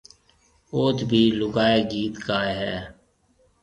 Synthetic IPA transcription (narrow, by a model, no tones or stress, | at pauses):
oːt̪bʱiːlʊɡaːeːɡiːt̪kaːeɦɛː